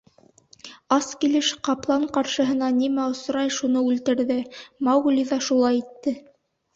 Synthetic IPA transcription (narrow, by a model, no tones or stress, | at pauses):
ɑskilɘʃqɑplˠɑɴqɑɾʃɤ̆ɦɤ̆nɑnimæŏsɾɑjʃunɤʉlt̪ɘ̆ɾðɘmɑwɡlʲiðɑʃulˠɑjit̪ːɘ